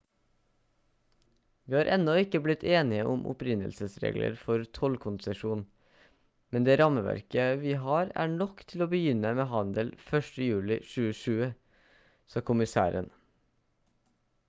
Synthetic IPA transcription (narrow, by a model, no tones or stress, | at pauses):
ʋiːhɑːɾʔɛnɔɪkəblɪt̪ʰeːnɪəʔʊmʔʊ̰pɾɪnə̰lsəsɾḛːɡlə̰ɾfɔɾt̪ʰɔlkʰʊnsəʃuːn | mɛnd̪eːɾɑməʋæ̰ɾkəʋiːɦɑːɾæ̰ːɳɔkt̪ʰɪloːbəjʏnəmeːhɑnd̪əlfœʃʈəjʉːlɪʃʉːəʃʉːə | sɑːkʰʊmɪsæ̰ːɾən